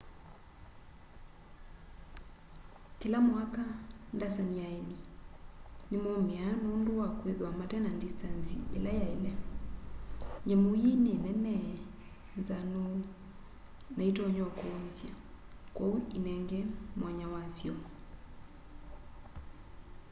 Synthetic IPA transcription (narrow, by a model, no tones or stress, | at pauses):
kilamwakandasaniaɛni | nemɔmɛanondowakweðwamatɛnandistansiḛlajaɛlɛ | ɲɛmojinenɛnɛ | nzano | naitɔɲɔkoːmsjakɔuʔinɛŋɡɛmwaɲawasjɔ